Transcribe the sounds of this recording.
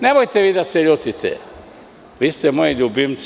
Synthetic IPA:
nebojt̪eʋiːd̪aseʎot̪it̪ʰḛ | ʋiːst̪ɛmojiʎubims

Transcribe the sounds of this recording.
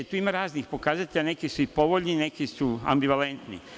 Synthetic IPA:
et̪uːimaɾaːznixpo̞kaːzat̪ʲeʎane̞kisuixpo̞ʋoʎnine̞kisua̰mbiʋale̞nt̪nḭ

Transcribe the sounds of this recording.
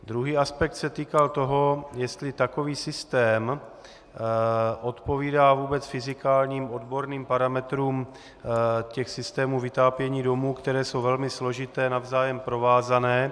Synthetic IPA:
d̪ɾuɦiːʔaspɛk̚t̪sɛt̪iːkalt̪o̞ɦo̞jɛst̪lɪt̪ako̞viːsɪst̪ɛːm | ʔo̞t̪po̞viːdaːvuːbɛt͡sfɪzɪkaːlɲiːmʔo̞dbo̞ɾniːmpaɾamɛt̪ɾuːm | cɛxsɪst̪ɛːmuvɪt̪aːpjɛɲiːdo̞muːkt̪ɛɾɛːso̞wvɛlmɪslo̞ʒɪt̪ɛːnavzaːjɛmpɾo̞vaːzanɛː

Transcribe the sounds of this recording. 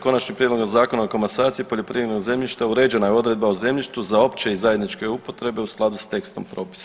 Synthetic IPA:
ko̞nat͡ʃnimpɾje̞d̪loozaːko̞naokomasaːt̪sipo̞ʎo̞pɾiʋjeɾnoɡze̞mʎʲiʃt̪auɾe̞d͡ʒe̞najeo̞d̪ɾe̞d̪̚bauze̞mʎʲiʃt̪uzao̞pt͡ʃeizaje̞d̪nit͡ʃke̞upo̞t̪ɾe̞be̞usklˠad̪ust̪e̞kst̪o̞̰mpɾo̞ːpi̥sa

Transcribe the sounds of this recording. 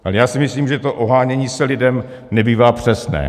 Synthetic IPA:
ʔalɛjaːsɪmɪsliːmʒɛt̪oʔoɦaːɲɛɲiːsɛlɪdɛm | nɛbiːvaːpr̝̥ɛsnɛ̰ː

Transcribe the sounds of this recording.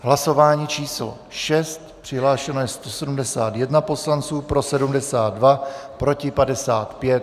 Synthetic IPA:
ɦlaso̞vaːɲiːt͡ʃiːslo̰ʃɛst̪pr̝̥ɪɦlaːʃɛnojɛst̪o̞sɛdumdɛsaːt̪jɛdnapo̞slant͡suːpɾo̞sɛdumdɛsaːd̪̚dvapɾo̞cɪpadɛsaːt̪pjɛt̪

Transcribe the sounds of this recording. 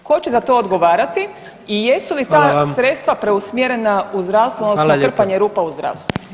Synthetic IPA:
ko̞t͡ɕezat̪o̞ːod̪ɡo̞ʋaːɾat̪i | ije̞sulit̪aːsɾe̞t̪st̪ʋapɾe̞usmjeɾe̞nauzd̪ɾawst̪ʋuodnosnot̪r̩paɲeɾuːpauzd̪ɾa̰ʋst̪ʋu

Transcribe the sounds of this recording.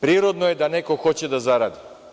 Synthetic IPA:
pɾiɾod̪noɛd̪anɛkoxɔcɛd̪azaɾad̪i

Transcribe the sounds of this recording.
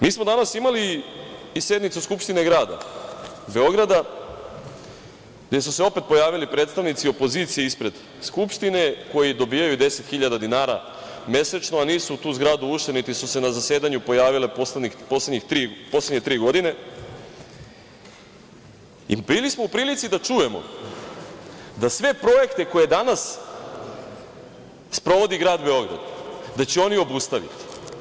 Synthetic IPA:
miːsmo̞d̪anasimaliː | sje̞d̪nit̪suskupʃt̪ine̞ɡɾaːd̪a̰ | be̞o̞ɡɾad̪a | ɡd̪je̞suseo̞pe̞t̪̚po̞jaːʋilipɾet̪st̪aʋnit̪sio̞po̞ziːt̪sijeispɾe̞d̪ | skupʃt̪ine̞ko̞jid̪o̞biːjajud̪e̞set̪xiʎad̪ad̪inaːɾa̰ | mje̞set͡ʃnoaniːsut̪uːzɡɾaːd̪uuʃt̪enit̪isuse̞nazase̞ːd̪aɲupo̞jaːʋile̞poseɲipo̞sledɲixt̪ɾiːposleɲe̞t̪ɾiːɡo̞d̪ine̞ | ḭbilismo̞upɾiːlit̪sid̪at͡ʃuje̞mo̞̰ | d̪asʋe̞pɾo̞je̞kt̪e̞ko̞je̞d̪anas | spɾo̞ʋo̞d̪iɡɾaːd̪be̞o̞ɡɾa̰d̪d̪at͡ɕeo̞nio̞bust̪aʋḭt̪i̥

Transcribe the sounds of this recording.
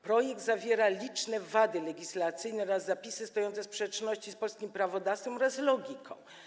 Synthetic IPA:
pɾɔjɛɡ̚d̪zavʲjɛɾalʲit͡ʂnɛvad̪ɘlɛɡʲislat̪sɘjnɛɔɾazːapʲisɘst̪ɔjɔnt̪ɛspʂɛt͡ʂnɔɕt͡ɕispɔlskʲimpɾavɔd̪afsfɛmɔɾazlɔɡʲikʰɔ̃w̃

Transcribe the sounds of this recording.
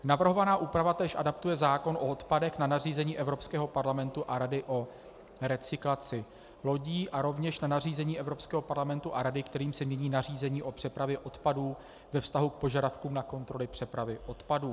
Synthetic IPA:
navr̩ɦo̞vanaːʔuːpɾavat̪ɛːʃʔadap̚t̪ujɛzaːko̞nʔo̞ot̪padɛxnanar̝iːzɛɲiːʔɛvɾo̞pskɛːɦo̞paɾlamɛnt̪uʔaɾadɪʔo̞ | ɾɛt͡sɪklat͡sɪ | lo̞ɟiːʔaɾo̞vɲɛʃnanar̝iːzɛɲiːʔɛvɾo̞pskɛːɦo̞paɾlamɛnt̪uʔaɾadɪkt̪ɛɾiːmsɛmɲɛɲiːnar̝iːzɛɲiːʔo̞pr̥ɛpɾavjɛʔo̞t̪paduː | vɛfst̪aɦuk̚po̞ʒadafkuːmnako̞nt̪ɾo̞lɪpr̝̥ɛpɾavɪʔo̞t̪paduː

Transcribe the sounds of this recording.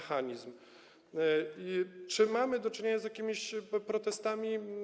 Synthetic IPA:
xaɲizm | it͡ʂɘmamɘd̪ɔt͡ʂɘɲeɲazjakʲimʲiɕpɾɔt̪ɛst̪amʲi

